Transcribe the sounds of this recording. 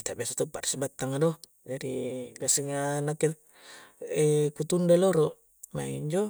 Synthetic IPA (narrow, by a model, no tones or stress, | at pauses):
kit̪aʔbiasat̪upaɾsbat̪ːaŋadɔ | d͡ʒadiɡasiŋanakɛ | ekut̪undaloɾoʔ | ma̰iɲd͡ʒo